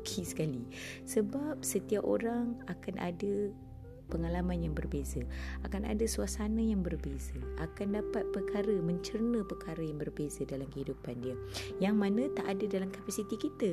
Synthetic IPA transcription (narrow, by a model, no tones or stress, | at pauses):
kʰisə̥kali | səbap̚sət̪iapʔo̰ɾaŋakanʔa̰də | pəŋalamãnjaŋbərbezəakana̰dəsuasanəjaŋbərbezəʔakandapat̪̚pərkʰaɾəmə̃ɲt͡ʃərnəpərkʰaɾəjaŋbərbezadalamkəhidupandiəjaŋmãnə̃t̪aʔadadalamkapasit̪ikit̪ə